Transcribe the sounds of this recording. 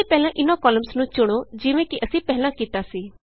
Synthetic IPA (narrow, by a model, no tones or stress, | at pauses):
ipɛɦlãʔɪnãkɔːləmsnũːt͡ʃʊɽ̃od͡ʒɪʋẽkiʔəsĩpɛɦlãkit̪asiː